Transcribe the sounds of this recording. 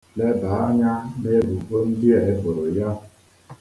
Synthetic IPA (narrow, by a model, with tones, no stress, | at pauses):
le˦ba˨˦a˦ɲa˦ne˦bu˨ʔo˦n̩˦di˦e˨e˦bo˨ɾo˨ja˦